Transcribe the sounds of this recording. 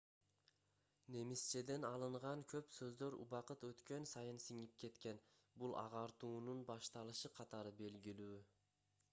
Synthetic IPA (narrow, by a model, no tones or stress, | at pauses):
ne̞mist͡ʃed̪e̞nɑlˠɯɴʁɑŋkʰø̞psøzd̪øɾṵβɑqɯt̪øt̪kø̞nsɑjɯnsiŋip̚ke̞t̪ke̞n | bulˠʔɑ̰ʁɑɾt̪uːnunbɑʃt̪ɑlˠɯʃɯqʰɑt̪ɑɾɯbe̞lɡilyː